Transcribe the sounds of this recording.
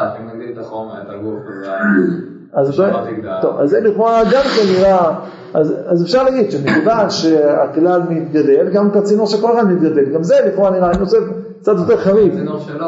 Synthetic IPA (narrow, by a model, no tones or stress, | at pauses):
azt̪ot̪o̰va̰zːeliχoʁaɡamkenːiʁa | azazefʃaʁlaɡid̪ʃemikvanʃea̰klalmit̪̚ɡad̪e̞lɡamkat͡sinuʁʃekolχanmit̪̚ɡad̪e̞lɡamzeliχoaniʁainosef | kt͡sat̪jo̞t̪e̞ʁχaviv